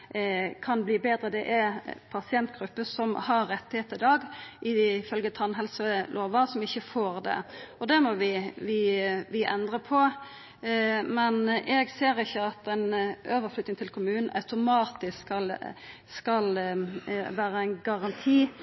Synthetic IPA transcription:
kʰɑnbliːbeːd̪ɾəd̪ɛʔæpʰɑsɪɛnt̪ɡɾʉpːəsɔmhɑɾːɛt̪ːheːt̪əɪd̪ɑːɡʔɪfœlɡət̪ʰɑnɦɛlsəlʔoːʋɑsɔmɪçːəfoːɾd̪ɛ̰ɔd̪ɛmɔʋɪʋɪʋɪʔɛnd̪ʁəpʰɔ | mɛnʔɛɡseːɾɪçːəɑt̪ɛnʔøːʋəflʏt̪nɪŋt̪ʰɪlkʰʊmʉːnn̩ɑ̰ʉt̪ʊmɑːt̪ɪsɑl | skɑl | ʋæːɾəæɪnɡɑʁɑnt̪ʰiː

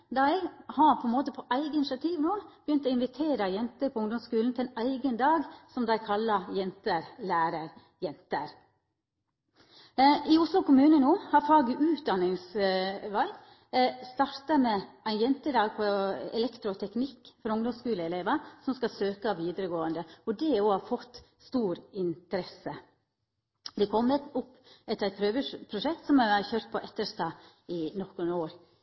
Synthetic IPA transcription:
d̪ɑɛɪɡhɑɾpʰɔɛnmoːt̪əpʰɔʔæɪɡəɪnɪʃɑt̪ʰiːʋnoːb̥əjʏnt̪ɔɪnʋɪt̪ʰeːɾəjɛnt̪əɾpʰɔʊŋd̪ɔmskʉːln̩t̪ʰɪlɛnæɪɡənd̪ɑːɡsɔmd̪æɪkʰɑlːɑjɛnt̪əɾlæːɾəɾ | jɛnt̪əɾ | ʔɪʊslʊkʊmʉːnənoːhɑɾfɑːɡəʔʉːt̪̚d̪ɑnːɪŋsʋæɪ | st̪ɑɾt̪əmɛʔæɪnjɛnt̪əd̪ɑːɡ̚pʰɔɛ̰lɛkt̪ɾʊt̪ʰɛknɪkːfɔɾʊŋd̪ɔmskʉːləɛleːʋɑsɔmskɑsøːkəʋiːd̪əɾəɡoːənd̪əɔd̪ɛoːɑfɔt̪ː | st̪uːɾɪnt̪əɾɛsə | d̪ɛkʰɔmːət̪ʊpː | ɛt̪æɪt̪̚pʰɾøːʋəʂpʰɾʊʂɛk̚t̪sɔmææçøːɾt̪̚pʰɔʔɛt̪ːəʂt̪ɑː | ɪnɔkːənoːɾ

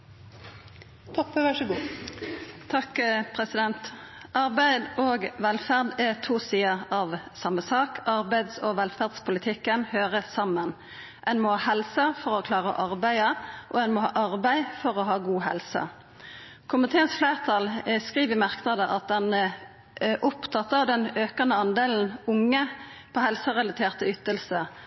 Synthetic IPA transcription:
t̪ʰɔpːəʋæʂəɡuː | t̪ʰɑkpʰʁɛsɪd̪ɛnt̪ | ʔɑʁbæɪd̪oːɡʋɛlfæʁd̪ɛt̪ʰuːsiːəʁɑʋsɑmːəsɑːkʰɑʁbæɪd̪soːʋɛlfæʁd̪spʰʊlɪt̪ʰɪkːənhøːʁəsɑmən | ʔɛɪnmoːhɑːhɛlsəfɔʁɔkʰlɑːʁəɔ̰ʔɑʁbæɪəʔɔɛnmɔhɑ̰ːʔɑʁbæɪfɔʁɔɦɑːɡuːɦɛ̰lsə̰ | kʰʊmɪt̪ʰeːənsflæːʁt̪ʰɑlskʁiːʋɪmɑʁknɑd̪əʔɑt̪̚d̪ɛnə | ʔʊpt̪ʰɑt̪ːəd̪ɛnøːkɑnəɑnd̪eːln̩ʊŋːə | pʰɔhɛlsəʁɛlɑt̪ʰeːʁt̪əʏt̪ːəlsə

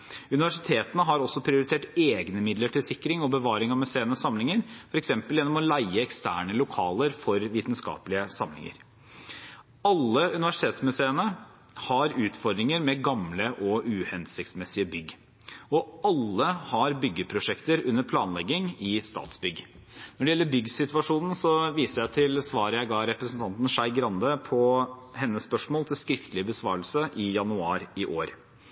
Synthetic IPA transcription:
ʉnɪʋæʂɪt̪ʰeːt̪ənəɦɑɾɔsːɔpʰɾɪʊɾɪt̪ʰeːʈeːɡnəmɪd̪ləʈʰɪlsɪkːɾɪŋɔbəʋɑːɾɪŋɑmʉseːənəsɑmlɪŋəɾfɔɾɛksɛmpəljɛnːɔmɔlæɪəɛkst̪æ̰ːɳəlʊkʰɑːləɾfɔɾʋiːt̪nskɑ̰ːpəlɪəsɑmlɪ̰ŋə̰ɾ | ɑlːəʉnɪʋæʂɪt̪ʰeːt̪smʉseːənə | hɑɾʉːt̪fɔɾɖ̪ɾɪŋəɾmɛɡɑmləʔɔʉːhɛnsɪkt̪smɛsɪəbʏɡ | ɔɑlːəhɑɾbʏɡːəpʰɾʊʂɛkt̪əɾʉnːəɾpʰlɑːnlɛɡɪŋɪst̪ɑ̰ːt̪sbʏɡ | nɔɖɛjɛlːəɾbʏɡsɪt̪ʋɑʂuːnn̩sɔʋiːsəɾjæɪt̪ʰɪlsʋɑːɾəjæɪɡɑːɾɛpɾəsn̩t̪ʰɑnt̪n̩ʂæɪɡɾɑnd̪əpʰɔhɛnːəspœʂmoːlt̪ʰɪlskɾɪft̪lɪəbəsʋɑːɾəlsəʔɪjɑnʉɑːɾɪʔoːɾ

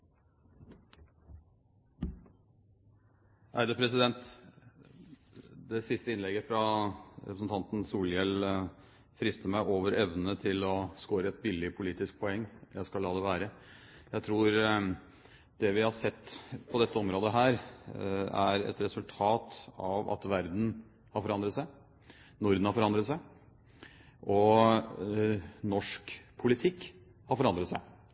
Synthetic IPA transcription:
ʔæɪd̪əpʰɾɛsɪd̪ɛnt̪ | d̪ɛsɪst̪əɪnlɛɡəfɾɑɾɛ̰pɾəsn̩t̪ʰɑnt̪n̩suːljɛl | fɾɪst̪əmæɪʔoːʋəɾɛʋnənət̪ʰɪlɔskoːɾəɛt̪̚bɪlːɪpʰʊliːt̪ɪsk̚pʰɔɛŋːjʔæɪskɑlːɑːd̪ɛʋæːɾə | jæɪt̪ʰɾuːɾ | d̪ɛʋɪhɑsɛt̪ːpʰɔd̪ɛt̪ːəɔmɾoːd̪əɦæːɾ | æɾɛ̰t̪ɾɛsʉlt̪ʰɑːt̪ɑʋɑ̰t̪ʋæɾd̪n̩ | hɑɾfɔɾɑnd̪ɾət̪sæɪ | nʊɾd̪n̩hɑɾfɔɾɑnd̪ɾət̪sæɪ | ʔɔ | nɔʂkpʰʊlɪt̪ʰɪkː | hɑɾfɔɾɑnd̪ɾət̪sæɪ

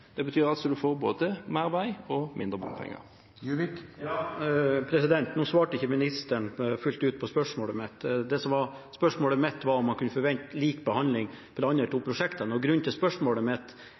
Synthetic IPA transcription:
d̪̥ɛbət̪ʰyːɾɑlsɔd̪ʉfoːɾbo̰ːd̪əmæːɾʋæɪɔmɪ̰nd̪ɾəbɔ̰npʰɛ̰ŋːə̰ɾ | jʉʋɪkjɑːpʰɾɛsɪd̪ɛnt̪nuːsʋɑːʈəɪçːəmɪnɪst̪əɳfʉlt̪ʉːt̪̚pʰɔspœʂmoːləmɛt̪ːd̪ɛsɔmʋɑɾ | spœʂmoːləmɛt̪ːʋɑɾɔmːɑnkʰʉnːəfɔɾʋɛnt̪liːkbəhɑnlɪŋpʰɔlɑnːəlʈ̪uːpʰɾʊʂɛkt̪ɑnəɔɡɾʉnːt̪ɪlspœʂmoːləmɛt̪

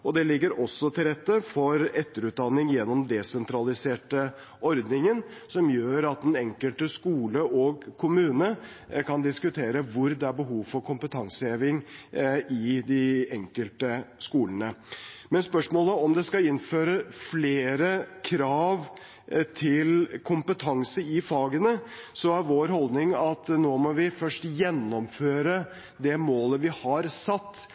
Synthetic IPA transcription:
ɔd̪ɛlɪɡːəɾʔɔsːɔt̪ʰɪlɾɛt̪ːəfɔɾɛt̪ːəɾʉːt̪̚d̪ɑnːɪŋjɛnːɔmd̪ɛsɛnt̪ɾɑlɪseːʈə | ɔɾd̪nɪŋənsɔmjøːɾɑt̪̚d̪ɛnɛŋkəlt̪əskuːləʔɔɡkʰʊmʉːnə | kɑnd̪ɪskʉt̪ʰeːɾəʋʊɾd̪ɛæɾbəɦuːʋfɔɾkʰʊmpət̪ʰɑŋsəeːʋɪŋʔɪd̪ɪɛŋkəlt̪əskuːlənəmɛnspœʂmoːləɔmd̪ɛskɑɪnføːɾəfleːɾəkʰɾɑːʋ | t̪ʰɪlkʰʊmpət̪ʰɑŋsəɪfɑːɡənəsɔæɾʋoːɾɦɔld̪nɪŋɑt̪noːmɔʋɪfœʂʈjɛnːɔmføːɾə | d̪ɛmoːləʋɪhɑɾsɑt̪ː

